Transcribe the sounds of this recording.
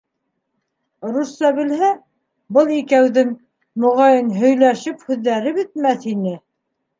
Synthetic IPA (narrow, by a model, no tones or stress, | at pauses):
ɾusːɑβɘ̆lhæ | bɤlˠikæwðɘŋ | mŏʁɑjɤnɦɵ̆jlæʃɘphʉðːæɾɘbɘ̆t̪̚mæθinɘ